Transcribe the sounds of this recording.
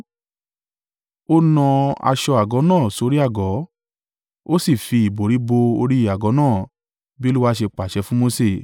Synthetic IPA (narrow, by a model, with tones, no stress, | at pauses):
o˦nɔ̃˧a̰˧ʃɔ˧a˨ɡɔ˨˦nãː˦˨so˨˧˦ɾi˦a˦˨ɡɔ˨˦ | o˦si˦˨fi˧i˨bo˨ɾi˨˦bo˧o̰˧ɾi˦i˦˨a˨ɡɔ˨˦nãː˦˨ | bi˦lu˦wa˦ʃe˧k͡pa˨ʃɛ˧˦fũ˦mo˧se˦˨